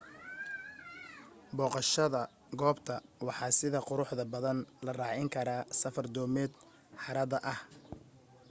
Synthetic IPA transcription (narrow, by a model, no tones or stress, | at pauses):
bɔːqɑʃɐðɐ | ɡɔːbt̪ʰɐwɑħɑːsɪðɐqʊɾʊħðɐbɐðɐnlɐrɑːʕɪŋkʰɐɾaːsɐfɐrd̪ɔːmɛːd̪ | ħɑɾɐðɐʔɐh